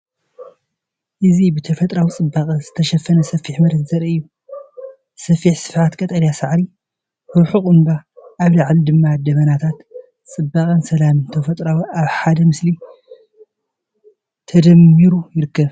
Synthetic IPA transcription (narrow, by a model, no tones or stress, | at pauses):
ʔɨzibɨt̪ʰɐfɐt̪ʼɾawit͡sʼɨbːaχʼɐzɨt̪ʰɐʃɐfːɐnɐsɐfiħmɐɾɨɡzɐɾɨjːu | sɐfiħsɨ̥fʕat̪kʼɐt̪ʼɐljasaʕɾi | ɾuħukʼʊnbaːβlaʕlid̪ɨmːad̪ɐβɐnat̪ʰat̪ | t͡sʼɨbːakʼɐnsɐlamɨnt̪ʰɐfɐt̪ʼɾawiʔaβħad̪ɐmɨsli | t̪ʰɐd̪ɐmːiɾujɪɾɨkʰːɐβ